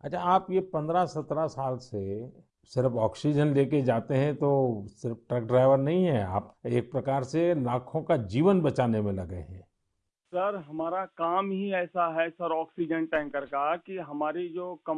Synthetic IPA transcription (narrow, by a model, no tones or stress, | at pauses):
ɐt͡ʃʰaaːpjepɐ̃nd̪ɾasɐt̪ɾasaːlse | sɪɾəfɔːksid͡ʒənleːked͡ʒaːt̪eɦɛ̃t̪osɪɾəfʈɾɛk̚ɖɾaːɪʋəɾnɐɦĩɦɛa̰ːpeːk̚pɾɐkaːɾselaːkʰõkad͡ʒiːʋənbɐt͡ʃaːnemẽlɐɡḛɦɛ̰̃ː | sɐɾɦɐmaːɾakaːmɦiɛːsaɦɛsɐɾɔːksid͡ʒənʈɛ̃ːŋkəɾkakiɦɐmaːɾid͡ʒoːkɐ